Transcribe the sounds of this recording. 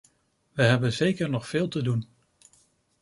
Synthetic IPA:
ʋəɦɛbənzejkəɹnɔχfɪːlˠtədun

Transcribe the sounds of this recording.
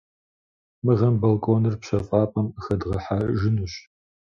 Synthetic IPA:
mɨʁɐmbɐlkʼoːnɨrpɕɐfʼaːpʼɐmɨxɐdʁɐħaʒɪnuɕ

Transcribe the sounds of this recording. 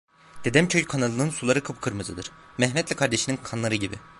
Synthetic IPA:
d̪̥e̞d̪ɛmcʰøjkʰanalˠɯnɯnsulˠaɾɯkʰɯpkʰɯɾmɯzɯd̪ɯɾ̥ | mɛhmɛt̪lʲiɛkʰaɾd̪e̞ʃininkʰanlˠaɾɯɟibḭ

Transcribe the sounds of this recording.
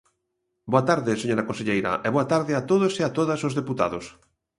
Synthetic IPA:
boat̪aɾðɪseɲoɾakonseʎejɾɐ̰ʔɛβoat̪aɾðɪat̪oðoseat̪oðasozðeput̪a̰ðos

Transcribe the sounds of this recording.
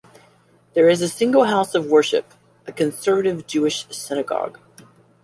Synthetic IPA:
ðə˞ɨzɨsɪ̃ŋɡl̩ˠɦaʊsʌvwɜ˞ʃɨ̰p | ʔɨkɨ̃nsɜ˞vɨɾɨvd͡ʒʉɨʃsɪnɨɡɑ̰ɡ̥

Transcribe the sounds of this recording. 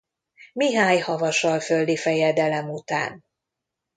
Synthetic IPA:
miɦaːɲhɒvɒʃɒlføld̪ifɛjɛd̪ɛlɛmut̪a̰ːn

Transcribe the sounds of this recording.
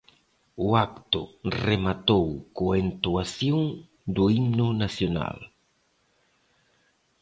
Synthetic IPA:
ʊakt̪ʊremat̪owkoent̪uasjoŋ | d̪ʊimnʊnasjona̰l

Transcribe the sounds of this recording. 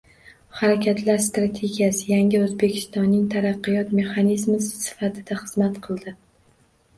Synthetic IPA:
haɾakʲʰat̪laɾst̪ɾat̪ʰe̞ɡʲijasɪjaŋʲɪɵzbe̞kʲʰɪ̥st̪ɒnːɪŋt̪ʰaɾɑqːɨjɒt̪me̞χɑnizmʊsɪsɪ̥fat̪ʰɪd̪aχɨz̥mat̪qʰɨlˠd̪ɪ

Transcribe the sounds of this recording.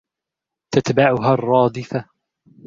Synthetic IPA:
t̪at̪baʕʊɦaːrˤːɑːd̪ˤɪfa

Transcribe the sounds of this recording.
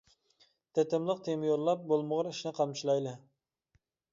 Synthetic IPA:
t̪ʰɛt̪ʰɪmlˠəq̚t̪ʰemjoɾlˠɑp̚bolˠməʁɑɾiʃnɨqʰɑmt͡ʃʰilˠɑjlˠɨ

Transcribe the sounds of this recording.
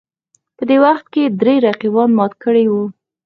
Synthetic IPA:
pəd̪ewaxt̪̚ked̪ɾeɾaqibɑnmɑt̪kəɽejwu

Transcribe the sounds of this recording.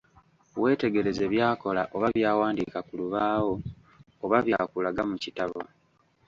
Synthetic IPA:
we̞ːte̞ɡe̞ɾe̞ze̞βjaːko̞la̰ʔo̞βaβjaːwaːndikakuluβaːwo̞ː | βaβja̰ːkulaɡamucitaβo̞

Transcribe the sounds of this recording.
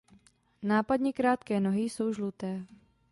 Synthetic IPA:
naːpad̪ɲɪkɾaːt̪kɛːnoɦɪso̞wʒlut̪ɛː

